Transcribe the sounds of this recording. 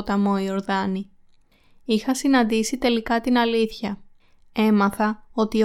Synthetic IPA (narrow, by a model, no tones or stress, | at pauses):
t̪ɐmoio̞ɾðɐni | ixɐsinɐnd̪isit̪e̞likɐt̪inɐliθçɐ | e̞mɐθɐo̞t̪i